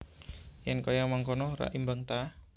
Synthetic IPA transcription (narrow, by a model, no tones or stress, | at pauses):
jɛnkojamaŋkɔnɔra̰ʔimbaŋt̪a